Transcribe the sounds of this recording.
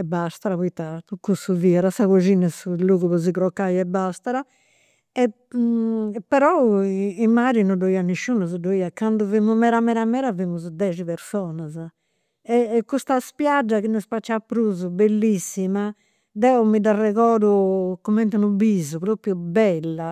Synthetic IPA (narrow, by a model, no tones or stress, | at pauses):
ɛbːast̪aɾapoit̪ːat̪ukːusuviːɛɾasaɣod͡ʒinɛsuluːɣuβɔzikɾɔkːajɛbːast̪aɾa | ɛ | pːɛɾɔimːaɾinɔdoiːaniʃːunuzud̪oiːakand̪uvimumɛɾamɛɾamɛːɾavimuzud̪ɛːd͡ʒipeɾsɔːnaz | ɛkːust̪aspjad͡ʒːakinusfat͡ʃːapːɾuzubelːisːima | d̪ɛɔmid̪arɛɣɔːðukɔmɛnt̪anubizupɾopɾjubɛlːa